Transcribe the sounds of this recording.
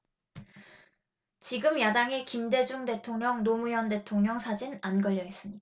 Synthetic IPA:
t͡ɕiɡɯmjadaŋekimde̞d͡ʑuŋde̞tʰoŋɲʌŋnomujʌnde̞tʰoŋɲʌŋsʰad͡ʑinanɡʌʎjʌis͈ɯmɲida

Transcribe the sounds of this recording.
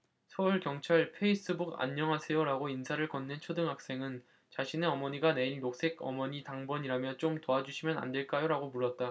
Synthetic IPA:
sʰʌuɭkjʌŋt͡ɕʰaɭpʰe̞is͈ɯbuɡa̰ɲːʌŋɦasʰe̞joɾaɡoinsʰaɾɯɭkʌnːɯnt͡ɕʰodɯŋɦak̚s͈e̞ŋɯn | t͡ɕaɕʰineʌmʌɲiɡane̞injok̚s͈ʰe̞ɡʌ̰mʌɲitaŋbʌɲiɾamjʌt͡ɕ͈omtoad͡ʑuɕʰimjʌna̰nde̞ɭk͈ajoɾaɡomuɭːʌt̚t͈a

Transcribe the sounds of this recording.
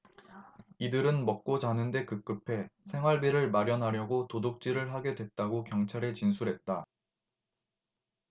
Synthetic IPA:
idɯɾɯnmʌk̚k͈ot͡ɕanɯnde̞kɯk͈ɯpʰe̞sʰe̞ŋɦwaɭbiɾɯɭmaɾjʌnɦaɾjʌɡotodok̚t͡ɕ͈iɾɯɭɦaɡe̞dwe̞t̚t͈aɡokjʌŋt͡ɕʰaɾe̞t͡ɕinsʰuɾɦe̞t̚t͈a

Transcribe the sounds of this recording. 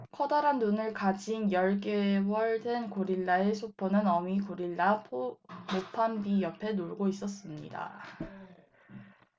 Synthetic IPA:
kʰʌdʌɾanːunɯɭkad͡ʑinjʌɭk͈ewʌɭdenkoɾiɭːaesʰopʰonɯnʌmikoɾiɭːapʰmopʰanbijʌpʰe̞noɭɡois͈ʌs͈ɯmɲḭda̰

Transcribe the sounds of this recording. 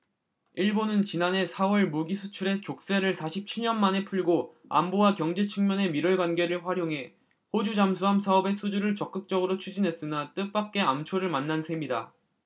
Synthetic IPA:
iɭbonɯnt͡ɕinane̞sʰawʌɭmuɡisʰut͡ɕʰuɾe̞t͡ɕok̚s͈e̞ɾɯɭsʰaɕʰip̚t͡ɕʰiɭɲʌnmane̞pʰuɭɡo | a̰mbowakjʌŋd͡ʑe̞t͡ɕʰɯŋmjʌne̞miɾʌɭɡwanɡe̞ɾɯɭɸwaɾjoŋɦe̞ | hod͡ʑud͡ʑamsʰuɦamsʰaʌbe̞sʰud͡ʑuɾɯɭt͡ɕʌk͈ɯk̚t͡ɕ͈ʌɡɯɾot͡ɕʰud͡ʑinɦe̞s͈ɯnat͈ɯk̚p͈ak̚k͈e̞amt͡ɕʰoɾɯɭmanːansʰe̞mida̰

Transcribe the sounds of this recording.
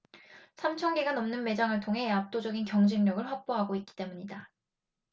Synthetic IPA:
sʰamt͡ɕʰʌŋɡeɡanʌmnɯnme̞d͡ʑaŋɯɭtʰoŋɦe̞ap̚t͈od͡ʑʌɡinkjʌŋd͡ʑiŋːjʌɡɯɭɸak̚p͈oɦaɡoit̚k͈i̥t͈e̞muɲida

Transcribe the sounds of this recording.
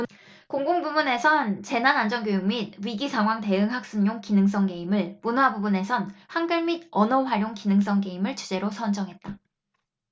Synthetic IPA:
koŋɡoŋbumune̞sʰʌnt͡ɕe̞nanand͡ʑʌnɡjojuŋmid̚ɥiɡisʰaŋɦwaŋte̞ɯŋɦak̚s͈ɯnɲoŋkinɯŋs͈ʌŋɡe̞imɯɭmunwabubune̞sʰʌnhaŋɡɯɭmidʌnʌɸwaɾjoŋkinɯŋs̬͈ʌŋɡe̞imɯɭt͡ɕʰud͡ʑe̞ɾosʰʌnd͡ʑʌŋɦe̞t̚t͈a

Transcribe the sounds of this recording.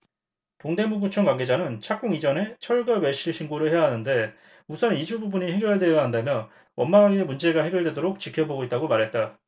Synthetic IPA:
toŋde̞muɡut͡ɕʰʌŋɡkwaŋɡe̞d͡ʑanɯnt͡ɕʰak͈̚oŋid͡ʑʌne̞t͡ɕʰʌɭɡaweɕ͈iɭɕʰinɡoɾɯɭhejaɦanɯnde̞ | musʰʌnid͡ʑububuɲiɦe̞ɡjʌɭde̞jʌɦandamjʌn | wʌnmaɡemund͡ʑe̞ɡahe̞ɡjʌɭdwe̞doɾok̚t͡ɕikʰjʌboɡoit̚t͈aɡomaɾɦe̞t̚t͈a

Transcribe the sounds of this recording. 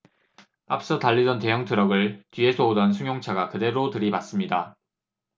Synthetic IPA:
a̰p̚s͈ʌtaʎːid͡ʑʌnte̞jʌŋtʰɯɾʌɡɯɭtɥie̞sʰoodʌnsʰuŋjoŋt͡ɕʰaɡakɯde̞ɾotɯɾibas͈ɯmɲida

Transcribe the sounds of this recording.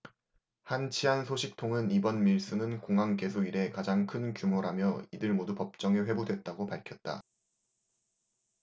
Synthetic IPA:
hant͡ɕʰiɦansʰoɕʰik̚tʰoŋɯnibʌnmiɭs͈ɯnɯnkoŋɦaŋk͈e̞sʰoiɾe̞kad͡ʑaŋkʰɯnkjumoɾamjʌidɯɭmodupʌp̚t͡ɕ͈ʌŋeɸwe̞budwe̞t̚t͈aɡopaɭkʰjʌt̚t͈a̰

